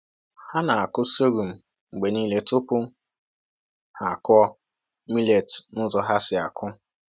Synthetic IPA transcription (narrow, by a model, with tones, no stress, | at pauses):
ha˦na˨a˨kʊ˦so˦ɾu˨m̩˨ | ŋ͡m̩˨ɡ͡be˨niː˦le˦tʊ˦pʊ˦ | ha˨kɔ˦ | mi˦le˨tnʊ˦zɔ˨ɦa˦sɪ˨a˨kʰʊ˦